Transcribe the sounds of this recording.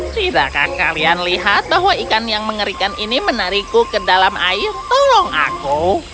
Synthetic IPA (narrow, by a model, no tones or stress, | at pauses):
sida̰ka̰hkalianliɦat̪̚baɦwaikanjaŋməŋəɾikaninimənaɾikukədalama̰ɪrt̪olɔŋa̰ku